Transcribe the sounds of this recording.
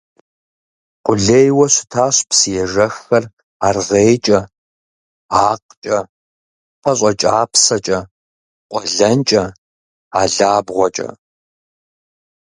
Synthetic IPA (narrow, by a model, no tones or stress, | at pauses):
qʷʊɮeːjwɐɕɪ̥tʰaːɕpsɨjɛʒɐxɐr | aːrʁeːjt͡ʃʼɐ | aːqt͡ʃʼɐ | pʰɐɕʼɐt͡ʃʼaːpʰsɐt͡ʃʼɐ | qʷʼɔɮɐnt͡ʃʼɐ | aːɮaːbʁʷɔt͡ʃʼɐ̰